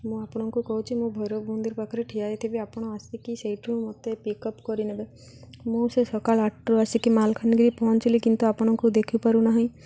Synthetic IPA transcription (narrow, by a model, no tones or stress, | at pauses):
mũapɔɽ̃ɔŋkukɔɦut͡ʃʰimũbʱɔɾobund̪iɾbakʰɔɾeʈʰijajt̪ʰibiapɔɽ̃ɔasikiseiʈʰũmɔt̪epikɔpkɔɾinebe | mũsesɔkalaʈɾɔasikimalkʰanɡɾipɔɦɔnt͡ʃilikint̪uapɔɽ̃ɔŋkud̪ekʰipaɾunaɦĩ